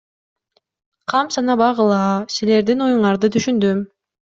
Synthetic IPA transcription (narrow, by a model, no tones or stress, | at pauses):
qʰɑmsɑnɑbɑʁɯlˠɑːsile̞ɾd̪ino̞juɴɑɾd̪ɯt̪ʰyʃynd̪øm